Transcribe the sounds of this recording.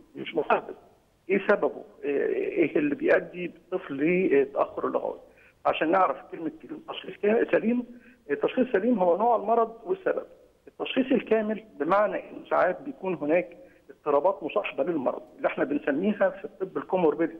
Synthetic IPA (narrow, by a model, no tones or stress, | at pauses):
meʃmʊħæd̪es | ʔeːsæbæbṵʔʔeelːibejʔæd̪ːibet̪ˤːɨflliːt̪ːæʔæ̰xːoɾelːo̰ɣæ̰ːwḭ | ʕa̰ʃæːnːeʕɾæfkelmet̪ːæʃxiːskæsːæliːm | et̪ːæʃxiːsːæliːmɦowːænoːʕelmɑɾˤɑd̪ˤwesːæ̰bæ̰b̚ | ʔet̪ːæʃxiːsˤelkæːmelbemaʕnæʔenːsaʕaːt̪̚bejækuːnɦenæːk | ʔet̪ˤːɨɾˤɑːbɑːt̪mosˤɑħɑbɑlelmɑ̰ɾˤɑ̰d̪ˤʔeliʔeħnæbensæmːiːɦæfit̪ˤːɨbːelkomoɾbed̪